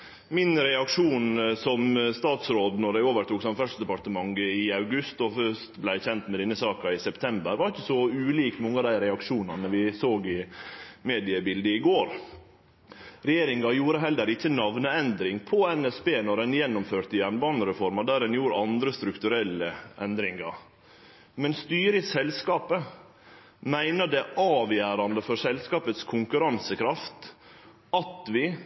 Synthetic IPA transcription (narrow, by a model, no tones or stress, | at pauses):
mɪnɾɛɑkʂuːnsɔmst̪ɑːt̪sɾoːd̪nɔɖæɪoːʋəɾʈ̪ʰuːksɑmfœsd̪ɛpɑt̪əmɑŋɡəɪɑʉɡʉst̪ɔfœst̪blæɪçɛnt̪mɛd̪ɛnːəsɑːkɑɪsɛpt̪ʰɛmbəɾʋɑɾɪçːəsɔʉːliːkmɔŋːəɑd̪æɪɾɛɑkʂuːnɑnəʋɪsoːɡɪmeːd̪ɪəbɪld̪əɪɡoːɾ | ɾɛjeːɾɪŋɑjuːɾəɦɛlːəɾɪçːənɑʋnəɛnd̪ɾɪŋpʰɔɛnɛsbeːnɔɾɛnjɛnːɔmføːɾt̪əjæɳbɑːnəɾɛfɔɾmɑd̪æɾɛnjuːɾəɑnd̪ɾəst̪ɾʉkt̪ʉɾɛlːəʔɛnd̪ɾɪŋɑɾ | mɛnst̪yːɾɪsɛlskɑːpə | mæɪnəd̪ɛʔɑːʋjæːɾɑnd̪əfɔɾsɛlskɑːpət̪skʰʊŋkʉɾɑnsəkʰɾɑft̪ | ɑt̪ʋɪ